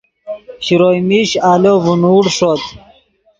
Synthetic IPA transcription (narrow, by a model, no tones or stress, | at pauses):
ɕiɾojmiɕaːlovunuːɽʂot̪